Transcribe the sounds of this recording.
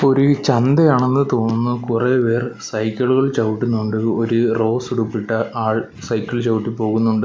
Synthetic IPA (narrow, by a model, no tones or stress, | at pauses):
oɾut͡ɕɐnd̪ejaːɳe̞nːɨt̪o̞ːnːunːɐkureːpe̞ːrsɐjkʲːɐɭuɣɐɭt͡ɕɐwuʈːunːuɳɖɨoɾuro̞ːsuɽupːiʈːɐaːɭ | sɐjkʲːɐɭt͡ɕɐwuʈːipo̞ːɣunːuɳɖɨ